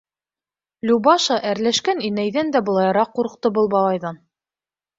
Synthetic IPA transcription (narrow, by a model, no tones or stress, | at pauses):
lʲubɑʃɑʔæɾlæʃkæninæjðænd̪æbɤ̆lˠɑjɑɾɑqːuɾɤ̆q̚t̪ɤbɤlˠbɑlˠɑjðɑn